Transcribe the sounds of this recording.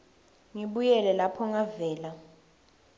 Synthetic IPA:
ŋiɓujɛlɛlapʰɔŋavɛːla

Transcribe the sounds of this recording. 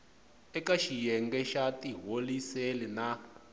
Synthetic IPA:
ɛkaʃijɛŋɡɛʃatiɦoliselɛna

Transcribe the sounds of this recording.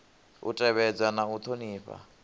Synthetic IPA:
ṵtʼɛβɛd͡zanaut̪ʰoniːɸa̰

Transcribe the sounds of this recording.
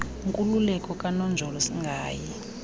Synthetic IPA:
ŋkʼululɛkʼɔkʼanɔnd͡ʒʱɔlɔsiŋɡʱaːjɛ

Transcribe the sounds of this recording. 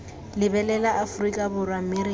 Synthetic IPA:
lɪbɛlɛlaʔafrikʼabʊrwameɾi

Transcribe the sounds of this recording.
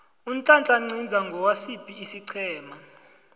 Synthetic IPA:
un̩t͡ɬʼant͡ɬʼaŋ͡ǀʱind͡zʱaŋɡʱɔwasipʼiːsiǀʰɛːma

